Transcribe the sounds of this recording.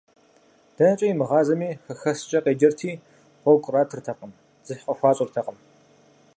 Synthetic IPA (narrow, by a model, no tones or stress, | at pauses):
d̥ɐnɐt͡ʃʼɐjmɨʁɑːzɐmiːxɐxɐst͡ʃʼɐqeːd͡ʒɐrtʰiː | qʷɔkʷʼraːtʰɨrtʰɐqəm | z̥ɨħqɐxʷɑːɕʼɪrtʰɐqʼəm